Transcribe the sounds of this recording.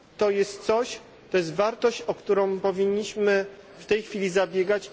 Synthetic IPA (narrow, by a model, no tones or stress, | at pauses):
t̪ɔjɛst̪t̪sɔɕ | t̪ɔjɛs̬t̪vaɾt̪ɔɕt͡ɕɔkt̪uɾɔ̃w̃pɔvʲiɲːiɕmɘ | ft̪ɛjxfʲilʲizabʲjɛɡat͡ɕ